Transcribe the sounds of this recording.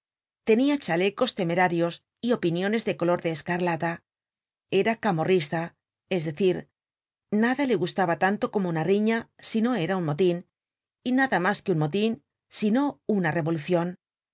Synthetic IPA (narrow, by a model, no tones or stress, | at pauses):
t̪e̞niat͡ʃale̞ko̞st̪e̞me̞ɾaɾjo̞s | io̞pinjo̞ne̞zðe̞ko̞lo̞ɾðeːskaɾlat̪a | e̞ɾakamo̞rist̪a | e̞zðe̞θiɾ | naðale̞ɣust̪aβat̪ant̪o̞ko̞mounariɲasino̞e̞ɾaunmo̞t̪in | inaðamaskeunmo̞t̪̬in | sino̞unare̞βo̞luθjo̞n